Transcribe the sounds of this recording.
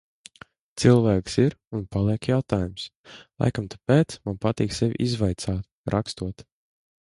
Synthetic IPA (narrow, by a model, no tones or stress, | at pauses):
t̪silˠvæːksiɾunpalˠiɛkjawt̪aːjumslˠa̰jkamt̪ḁpeːt̪smanpat̪iːksevʲʔizvajt̪saːt̪ | ɾʔakst̪uɔt̪